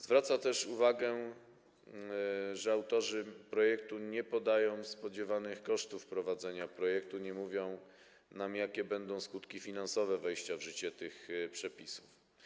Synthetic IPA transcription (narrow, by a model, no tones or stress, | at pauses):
zvɾat̪sat̪ɛʂuvaɡɛ | ʐɛawt̪ɔʐɘpɾɔjɛkt̪uɲɛpɔd̪ajɔ̃w̃spɔd͡ʑɛvanɘxkɔʂt̪ufpɾɔvad̪zɛɲapɾɔjɛk̚t̪uɲɛmuvʲjɔ̃w̃ | namjakʲɛbɛnd̪ɔ̃w̃skut̪kʲifʲinansɔvɛvɛjɕt͡ɕavʐɘt͡ɕɛt̪ɘxpʂɛpʲisu̥f